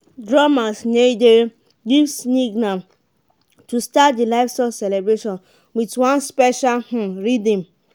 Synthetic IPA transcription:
dɹamasned͡ʒeɹ | ɡivsniɡnãm | tustatdilaɪfstasɛlɛbɹeʃɔ̃n | witwãnspɛʃalhũɹidĩm

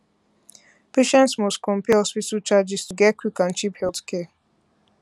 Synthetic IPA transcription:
pʰeʃɛ̃ntsmɔskʰɔ̃mpɛɔsfisut͡ʃad͡ʒɪstuɡɛkwikãnt͡ʃiphɛlθkʰɛ

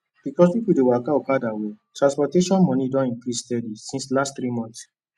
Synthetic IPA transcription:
b̥ikɔsifwidewakaokadawetɹãspɔteʃɔ̃nmɔ̃nidɔ̃nĩŋkɾistɛdisĩnslastθɾimɔ̃nθs

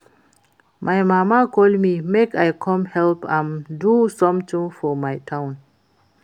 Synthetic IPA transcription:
mʔajmamakʰoldmimekajkʰɔ̃mhɛlpãndusɔ̃mt̪ĩŋfɔmajtʰãwn

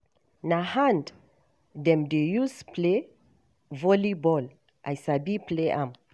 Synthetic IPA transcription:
nahãnd | dɛ̃mdejusple | vɔlibɔl | ʔajsabipleʔãm

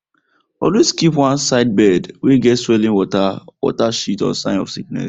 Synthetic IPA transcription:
ɔlweskipwãnsaɪd̚bɛdweɡɛtswɛlĩnwɔtawɔ̰taʃitɔ̰sãɪ̃nɔ̰fsik̚nɛ̰s

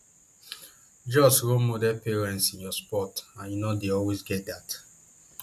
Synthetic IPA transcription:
d͡ʒɔsɹomodɛpeɹɛ̃ntsĩnjɔspɔtãnjunodeɔlwezɡɛt̚dat

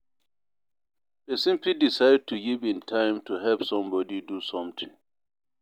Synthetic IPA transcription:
esĩmpidisaɪdd̚tʰuɡivĩntʰãɪ̃mtʰuɦɛlpsɔ̃mbɔdidusɔ̃mt̪ʰĩŋ

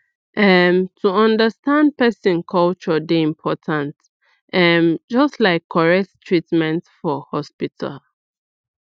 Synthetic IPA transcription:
ʔɛmtʰuʌ̃ndəstãnd̚pɛsĩnkʰɔlt͡ʃədeĩmpʰɔtʰãnt | ʔɛmd͡ʒʌstlaɪkʰːɔɹɛk̚ttʰɹitmɛ̃ntfɔhɔspitʰa̰l

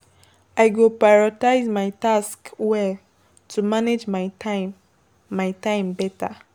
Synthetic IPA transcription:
aɪɡopajɹɔtaɪzmaɪtaskwɛl | tʰumaned͡ʒmaɪaɪ | maɪtãɪ̃mbɛta

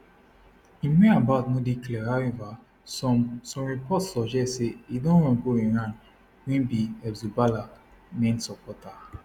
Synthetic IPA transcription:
imẽabaʊtnodiklɛɹaɛva | ɔsɔ̃mɹipɔtsɔd͡ʒɛseidõnɹɔ̃ɡoĩɹãn | wẽnbiɛbzubala | mẽnsɔpʰɔta

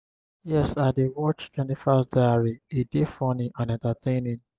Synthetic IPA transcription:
jɛsadewɔt͡ʃtwɛ̃ntifasdaaɹiidefɔniʔãnɛ̃ntatʰẽɪ̃nĩn

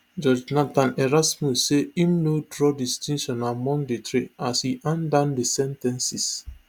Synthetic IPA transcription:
d͡ʒɔd͡ʒnatãnɛɹasmusːeĩmnodɹɔdistĩnʃɔ̃namɔ̃ŋdetɹeashiʔãndãndesɛ̃ntɛ̃nsis

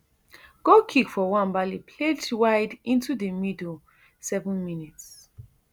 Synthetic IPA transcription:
ɡ̥okʰikfɔwãnbalipʰletwaɪdĩntudəmido | sɛvə̃nminits

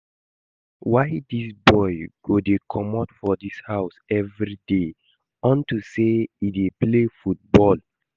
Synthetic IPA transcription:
waɪdisbɔjɡ̥odekʰɔmatfɔdishaʊsɛvɹide | ɔ̃ntuseideplefut̚bɔl

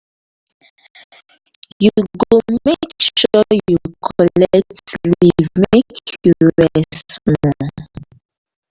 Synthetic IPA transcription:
juɡommekʃɔjukʰɔlɛk̚tlimekʰɔɹɛsmɔ

